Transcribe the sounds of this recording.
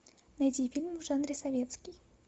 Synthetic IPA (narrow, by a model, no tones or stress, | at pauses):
nɐjdʲifʲilʲmvʐanɾʲɪsɐvʲet̪skʲɪj